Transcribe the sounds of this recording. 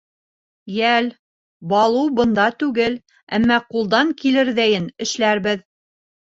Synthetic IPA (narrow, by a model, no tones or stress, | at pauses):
jæl | bɑlˠɤwbɤ̆nd̪ɑt̪ʉɡɘl | æ̰mːɑqulˠd̪ɑŋkilɘɾðæjɘnɘ̆ʃlæɾbɘð